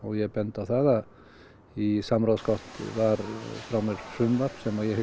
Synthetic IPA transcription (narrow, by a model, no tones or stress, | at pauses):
ɔjɛpɛnt̪aθaða | isamɾaskʰɔht̪vaɾfɾamɛɾsʏmvaɾ̥psɛmajɛh